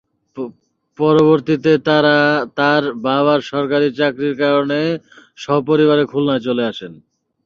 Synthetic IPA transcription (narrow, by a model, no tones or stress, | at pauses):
pɔɾoβoɾt̪it̪et̪aɾat̪aɾbaβaɾʃɔɾkaɾit͡ɕakɾiɾkaɾone | ʃɔɦop̬oɾiβaɾekʰulnaet͡ɕoleaʃen